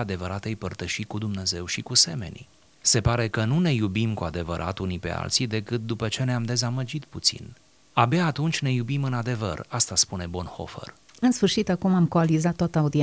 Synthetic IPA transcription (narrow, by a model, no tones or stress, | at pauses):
ad̪e̞vəɾat̪ejpərt̪əʃikud̪umne̞ze̞wʃikuse̞me̞̰nʲi | se̞paɾe̞kənune̞jubimkuad̪e̞vəɾʔa̰t̪unipe̞̰a̰lt̪sijd̪e̞kɨt̪̚d̪upət͡ʃe̞neamd̪e̞zaməd͡ʒit̪put̪sḭn | abeaːt̪unt͡ʃʲne̞jubimɨnad̪e̞və̰rast̪aspune̞bo̞nho̰fə̰r | ɨnsfɨrʃit̪akumamkoalizat̪ːoat̪əaud̪ie